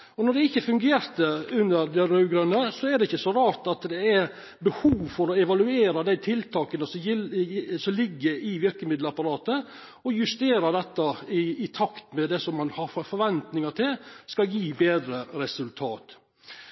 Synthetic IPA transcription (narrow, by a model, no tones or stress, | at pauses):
ɔnɔɖ̪ɛɪçːəfʉŋɡeːɾt̪əʉnːəɾd̪ɛɾʉʉɡɾʉnːəsɔæd̪ɛɪçːəsɔɾɑːɾt̪ɑt̪d̪ɛæɾ | bəhuːʋfɔɾɔɛʋɑlʉeːɾɑd̪æɪt̪ʰɪlt̪ʰɑːkənəsɔmjɪlsɔmlɪɡːəɾɪʋɪɾkəmɪd̪ləɑpɑɾɑːt̪ə | ɔjʉst̪eːɾɑd̪ɛt̪ːɑɪɪt̪ʰɑkt̪mɛd̪ɛsɔmːɑnhɑɾfɔɾʋɛnt̪nɪŋɑʈ̪ɪlskɑljiːbeːd̪ɾəɾɛsʉlt̪ʰɑːt̪